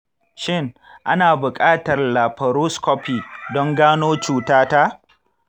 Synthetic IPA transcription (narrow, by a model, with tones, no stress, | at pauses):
ʃɪ˦ŋ | ʔa˦naː˨bʊ˨kʼaː˦tɐ˨rlaː˨ɸɐ˨ɾuː˦skɔ˦piː˨dɔ˦ŋɡaː˦noː˦t͡ʃuː˨taː˦ta˦ʔ